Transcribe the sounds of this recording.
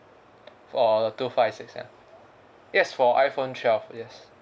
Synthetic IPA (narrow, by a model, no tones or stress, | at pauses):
fɔtufaɪfsɪksã̰ | jɛsfɔʔaɪfõnʃɛlfjɛs